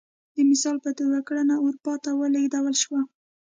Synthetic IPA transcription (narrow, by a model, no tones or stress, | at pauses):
d̪əmɪsɑlpəd̪əwakɽanauɾpɑt̪awəlaid̪awalʃwa